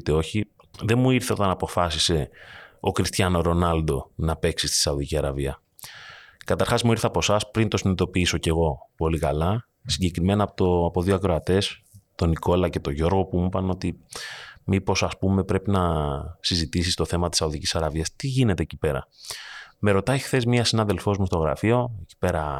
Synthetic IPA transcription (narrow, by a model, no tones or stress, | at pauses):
t̪eo̞çiðe̞muiɾθeo̞̰t̪ɐnɐpo̞fɐsise̞o̞kɾist̪çɐnoɾo̞nɐld̪o̞nɐpe̞ksist̪i̥sɐoðiciɐɾɐviɐ | kɐt̪ɐɾxɐzmuiɾθɐpo̞sɐspɾint̪o̞sinit̪o̞piiso̞ce̞ɣo̞po̞likɐlɐ | siɲɟekɾime̞nɐpot̪oɐpo̞ðioɐkɾo̞ɐt̪e̞st̪o̞niko̞lɐce̞t̪o̞ʝo̞ɾɣo̞pumupɐno̞t̪i | mipo̞sɐspume̞pɾe̞pinɐsizit̪is̬ist̪o̞θe̞mɐt̪i̥sɐoðicisɐɾɐviɐst̪iʝine̞t̪eecipe̞ɾɐ̰ | me̞ɾo̞t̪ɐixθe̞zmiɐsinɐðe̞lfo̞zmust̪o̞ɣɾɐ̰fio̞eci̥pe̞ɾɐ